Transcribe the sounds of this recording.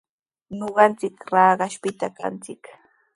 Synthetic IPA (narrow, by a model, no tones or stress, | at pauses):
ɲoɢɑnt͡sɪkɾɑːɢɑʃpɪt̪aka̰nt͡sɪk